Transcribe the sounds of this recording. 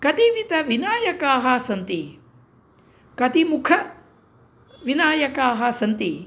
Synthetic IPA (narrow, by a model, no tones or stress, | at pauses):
kɐt̪iʋit̪ɐʋinaːjɐkaːɦasɐnt̪i | kɐt̪imukʰɐ | ʋinaːjɐkaːɦɐsɐnt̪i